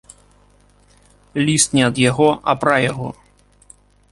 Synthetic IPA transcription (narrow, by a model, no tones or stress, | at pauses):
lʲist̪nʲɛɐd̪jaɣɔɐ̰pɾajaɣɔ